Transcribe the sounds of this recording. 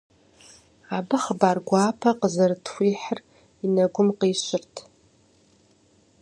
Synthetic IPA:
abɨχbarɡʷaːpʰɐqəzɨrtʰxʷiːħr | inaɡʷʊmqiʃʷɪrtʰ

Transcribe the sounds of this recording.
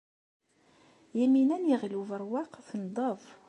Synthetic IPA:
jæminænjiʁluvəɾˤwɑqθnd̪ˤɑvˤ

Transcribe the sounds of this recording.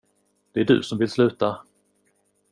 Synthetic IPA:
d̪̥ɛæɖɵ̰sɔmvɪlslʉ̟ːt̪a

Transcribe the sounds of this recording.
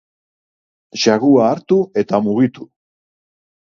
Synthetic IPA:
ʃaɣuaːɾt̪ue̞t̪amuɣit̪u

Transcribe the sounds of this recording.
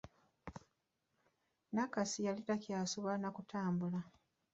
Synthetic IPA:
nakasijalitacjaːsuβanakutʰaːmbula

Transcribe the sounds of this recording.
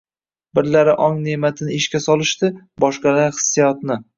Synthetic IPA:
bɪɾlaɾɪʔɒŋne̞mat̪ʰɪnɪɪʃkʲasɒlˠɪʃt̪ɪ | bɒʃqɑlaɾhɨ̥sːijɒt̪nɪ

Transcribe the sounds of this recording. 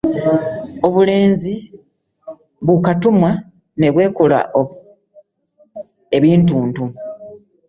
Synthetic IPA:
o̞βule̞ːnzi | βukatumwa | ne̞βwe̞ːkula̰ʔo | e̞βiːntuːntu

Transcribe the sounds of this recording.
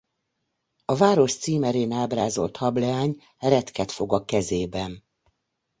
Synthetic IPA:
ɒvaːɾo̞ʃt̪siːmɛɾeːnaːbraːzo̞̰lt̪hɒblɛaːɲ | ɛɾɛt̪kɛt̪fo̞ɡɒkɛzeːbɛn

